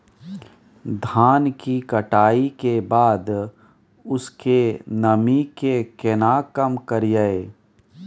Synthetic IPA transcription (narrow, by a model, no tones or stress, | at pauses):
d̪ʱaːnkikəʈaːikebaːd̪ | ʊskenəmikekenaːkəmkəɾjae